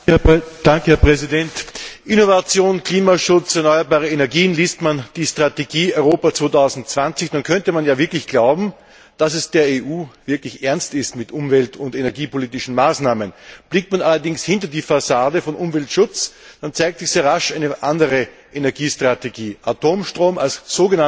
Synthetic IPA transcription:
d̥aŋkəhɛɐpʁɛzidɛntʔɪnovat͡sjoːnkliːmaʃʊt͡sɛɐnɔʏɐbaːʁəenɛɐɡiːənliːstmand̥iːstʁ̥ateɡiːœʏʁoːpat͡sv̥oːtʰaʊzn̩t̚t͡sv̥ant͡sɪçd̥ankʰœntəmanjaːvɪɐklɪçɡ̥laʊbm̩ | d̥asɛsd̥eːɐeːʔuːv̥ɪɐklɪçʔɛɐnstɪstmɪtʔʊmvɛltʰʊndenɛɐɡiːpoliːtɪʃn̩maːsnaːmənb̥lɪk̚tmanʔalɐdɪŋshɪnt̬ɐdiːfasaːdəfɔnʔʊmvɛltʃʊt͡sd̥ant͡saɪk̚tt͡sɪçz̥eːɐʁaʃʔæɪnəʔandəʁə | ʔenɛɐɡiːstʁ̥ateɡiːʔatʰoːmʃtʁ̥oːmalsz̥oːɡəna

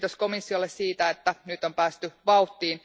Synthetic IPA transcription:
t̪osko̞misːiolːessiːt̪æet̪ːænyt̪ːˑompæːst̪yʋɑut̪ːiːn

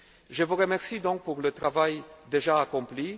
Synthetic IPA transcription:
ʒəvuʁəmɛʁsid̪ɔ̃k̚puʁlət̪ʁavajd̪eʒaːkɔ̃pli

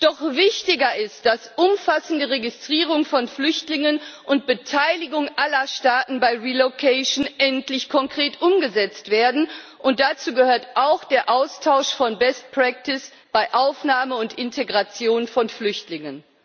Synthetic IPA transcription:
d̥ɔχvɪçtɪɡɐɪst̚d̥asʔʊmfasn̩dəʁeɡɪstʁ̥iːʁ̞ʊŋfɔnflʏçtlɪŋənʔʊnt̚b̥ətʰaɪlɪɡʊŋʔalɐʃtaːtn̩baɪʁilokʰɛɪʃnʔɛntlɪçkʰɔŋkʁ̥eːtʔʊmɡəzɛt͡stv̥eːɐdn̩ʔʊnt̚d̥at͡suːɡəhøːɐtʔaʊxd̥eːɐʔaʊstʰaʊʃfɔnbɛst̚pʁ̥ɛk̚tɪs | b̥aɪʔaʊfnaːməʊntɪntʰeɡʁat͡sjoːnfɔnflʏçtlɪŋən

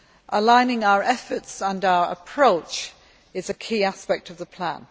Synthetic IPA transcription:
ʔəlãɪ̃nɪ̃ŋaʊəɹʔɛfətsə̃naʊəɹə̰pʰɹ̥oʊt͡ʃ | ɪzəkʰiːaspɛk̚tʰʌvðəpʰl̥ã̰n

